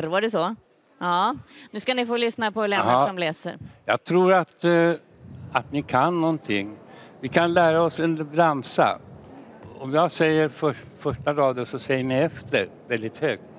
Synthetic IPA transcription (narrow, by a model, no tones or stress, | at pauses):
ɾvaɖɛsɔ | ɑːnʉ̟ːskanɪfoːlʏsnapʰɔlɛːʂɔmleːsə̰ɾjɑ̰ːɡ̚t̪ʰɾuːɾat̪ | at̪nɪkʰanːɔnt̪ʰɪŋːvɪkʰanlæːɾaɔsɛnbɾamsa̰ | ɔmjɑːɡsɛjːəɾfœʂ | fœʂʈaɾɑːd̪əsɔsɛjːəɳɪɛft̪ə̰ɾvɛld̪ɪt̪høːk̚t̪